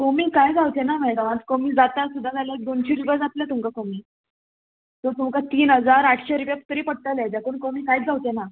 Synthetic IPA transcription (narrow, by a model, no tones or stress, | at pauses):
komiːkajd͡zawt̪enamajkaʋãt͡skomiːd͡zat̪asud̪ʱːad͡zalaek̚d̪ont͡ɕiɾuʋjad͡zat̪ljat̪umkakomiː | t̪ot̪umkat̪iːnɦəd͡zaɾaʈʰɕeɾupjaku̥t̪əɾiːpəɽ̚t̪əlad͡ʑakuːnkomiːkajt͡sd͡zawt̪ena